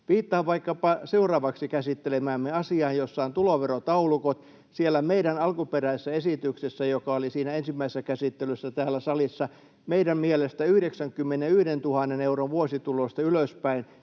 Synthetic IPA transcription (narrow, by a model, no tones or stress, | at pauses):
ʋiːt̪ːɑhːʋʋɑikːɑpɑseurɑːʋɑksikæsit̪ːelemæːmːeɑsiɑːnjosːɑont̪uloʋerot̪ɑulukot̪ | sielːˑæmeiɾænɑlkuperæiesːæesit̪yksesːæjokɑolisiːnæensimːæisesːækæsit̪ːelysːæt̪æːlːæsɑlisːɑ | meiɾæmmielest̪æyhɾeksæŋkymːeneyhdent̪uhɑnːeneuroʋʋuosit̪ulost̪ɑyløspæin